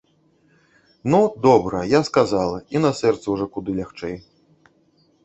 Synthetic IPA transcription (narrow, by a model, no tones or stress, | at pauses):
nud̪ɔbɾɐjaskazalˠɐinɐsɛrt̪sɐwʐɔkud̪ɨlʲaxt͡ʂɛj